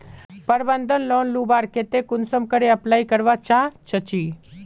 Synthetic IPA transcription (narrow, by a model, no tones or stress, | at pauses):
pəɾbənd̪ʱənlɔnlubaɾket̪ekʊnsəmkəɾeəplaikəɾʋat͡ʃãt͡ʃət͡ʃi